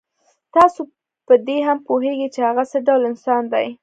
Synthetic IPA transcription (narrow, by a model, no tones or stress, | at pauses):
t̪ɑso | pəd̪eɦampoɦeɡit͡ʃehaɣasəɖawlɪnsɑnd̪aj